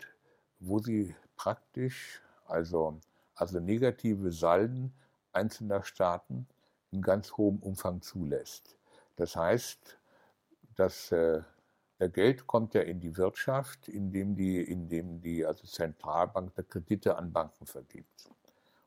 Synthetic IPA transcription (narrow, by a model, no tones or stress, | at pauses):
voːziːpʁ̥ak̚tɪʃ | ʔalzo | ʔalzoneːɡatʰiːvəzaln | ʔaɪnt͡sl̩nɐʃtʰaːtn̩ | ʔɪnɡant͡shoːəmʔʊmfaŋt͡suːlɛst | d̥ashaɪst | d̥asɛ | d̥eɐɡɛltkʰɔmtjaːʔɪndiːvɪɐtʃaftɪndeːmdiːʔɪndeːmdiːʔalzot͡sɛntʁ̥aːlbaŋk̚d̥eːɐkʁ̥edɪtəʔa̰nbaŋkŋ̩fɛɐɡḭːp̚t